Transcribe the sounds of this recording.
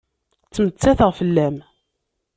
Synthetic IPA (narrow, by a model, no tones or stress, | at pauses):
t͡sːmət͡sːæθəʁfəlːæm